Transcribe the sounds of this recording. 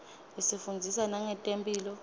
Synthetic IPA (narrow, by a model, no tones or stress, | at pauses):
isifund͡zʱisanaŋɛtʼempʼiːlɔ